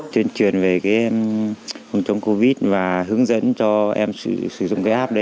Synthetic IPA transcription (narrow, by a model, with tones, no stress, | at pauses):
t̪wi˧ənt͡ɕwi˨˩ənve˨˩kaː˨˦j | fɨ˨˧˩ŋt͡ɕə˨˦wŋ͡mko˧vi˦˥t̚vaː˨˩ɦɨ˨˦əŋzə̰˧˥nt͡ɕɔ˧ʔɛ˧msɨ˧˩sɨ˧˩zʊ̰˧˨ŋ͡mkaː˨˦ʔaː˦˥p̚ɗə˨˦